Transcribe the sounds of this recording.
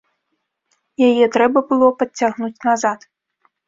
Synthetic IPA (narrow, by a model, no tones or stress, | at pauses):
jajɛt̪ɾɛbɐbɨlˠɔpɐt͡sʲːaɣnut͡sʲnazat̪